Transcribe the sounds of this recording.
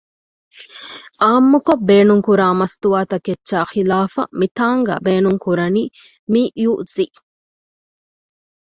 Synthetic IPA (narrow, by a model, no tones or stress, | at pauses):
ʔaːmːukobbeːnuŋkuɾaːmɐst̪uʋaːt̪ɐketːʃaːxilaːfɐ̰mit̪aːŋɡa̰ːbeːnuŋkuɾɐniː | miʔjuʔzi